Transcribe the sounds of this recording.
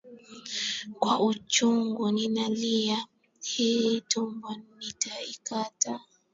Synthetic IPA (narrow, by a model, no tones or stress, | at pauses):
kwaʔut͡ʃuŋɡuninalia | hitumbɔnnitaikata